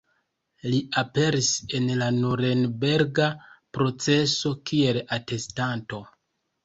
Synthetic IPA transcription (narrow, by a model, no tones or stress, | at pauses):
liape̞ɾise̞nlanuɾenbe̞ɾɡapɾo̞t͡se̞so̞kie̞late̞stanto̞